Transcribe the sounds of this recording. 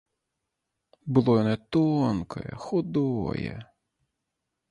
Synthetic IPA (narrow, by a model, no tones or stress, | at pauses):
bʊlˠɔjɔnɛt̪ɔnkɔ̰jɛ̰xʊd̪ɔ̰jɛ̰